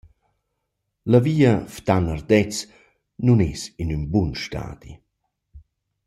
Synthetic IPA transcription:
laviːaft̪anard̪ɛt͡s | nunesinynbunʃta̰ːd̪̥ḭ

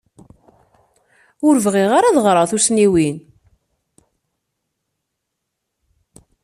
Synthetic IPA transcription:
ʊɾvʁiʁaɾaðʁɾˤɑθusniwin

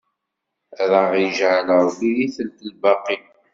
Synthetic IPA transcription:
ðəʁjəʒʕələɾˤwijiθəlt̪əlbɑqːi

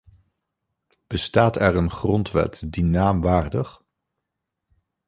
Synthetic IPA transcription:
b̥əstaːtɛɹənχrɔntʋɛ̰tdinaːmʋaːrdəχ

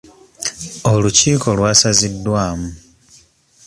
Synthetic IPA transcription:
o̞luciːko̞lwaːsazidːwaːmu

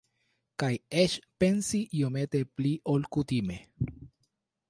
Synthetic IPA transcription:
kajet͡ʃpe̞nsiiomet̪epliʔolkut̪ime̞

